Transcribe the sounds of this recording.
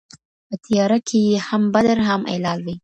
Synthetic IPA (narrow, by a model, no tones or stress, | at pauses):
pət̪ijɑɾakʰejehambad̪aɾɦamʔḛlɑlwi